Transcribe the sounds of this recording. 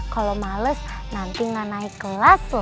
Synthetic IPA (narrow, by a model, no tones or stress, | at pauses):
kalomaləs | nant̪iŋanaikəlasl